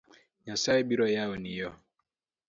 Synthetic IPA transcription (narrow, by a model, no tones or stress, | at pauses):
ɲãsaɛbiɾɔjaɔnijɔ